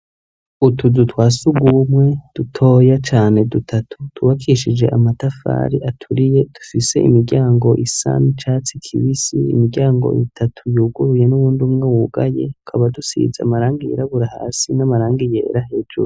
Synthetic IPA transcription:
utʰuzutwaːsuɡumŋe̞d̥utʰo̞ːjat͡ʃaːne̞dutʰatʰu̥tuβakʰiʃid͡ʒe̞̰ʔamatafa̰ːɾiʔatʰuɾije̞d̥ufise̞ʔimiɡɡɟaːŋɡo̞ʔisa̰nit͡ʃaːt͡sikʰiβisiːmiɡɟaːŋɡo̞̰ʔḭtʰatʰujuːɡuɾuje̞nuβuːndumŋewuɡaje̞̰u̥kʰaβadusḭza̰maɾaːŋɡijḛɾaβuɾaha̰ːsinamaɾaːŋɡijḛːɾahe̞ːd͡ʒuɾu

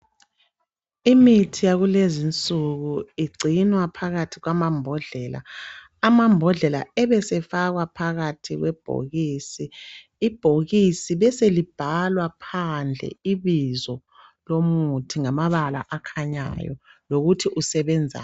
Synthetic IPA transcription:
imitʰijaɣulezint͡sʼuɣuiɡ͡ǀʱinwapʰaɣatʰiɣwamambʱɔɮɛla̰ː | mambʱɔɮɛla̰ɛβɛsɛfaɣwapʰaɣatʰiɣwɛb̥ʱo̰ɣiːsiː | b̥ʱoɣisiβɛselib̥ʱalwapʰand͡ɮʱɛ̰iβizɔ | lomutʰiŋamaβala̰ʔakʰaɲa̰jɔ̰loɣutʰiʔusɛβɛnd͡zʱa̰

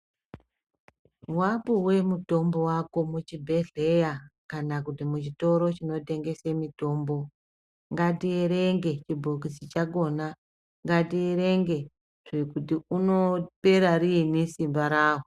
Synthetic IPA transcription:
wapuwe̞muto̞mbo̞wako̞mut͡ʃibʱe̞ɮe̞jakanakutimut͡ʃito̞ɾo̞t͡ʃino̞te̞ŋɡe̞semito̞ːmbo̞ | ŋɡatieɾeŋɡe̞t͡ʃibʱokisit͡ʃaɡo̞ːna | ŋɡatieɾeŋɡe̞ | ʐe̞kutiuno̞pe̞ɾaɾinisimbaɾaːɦo

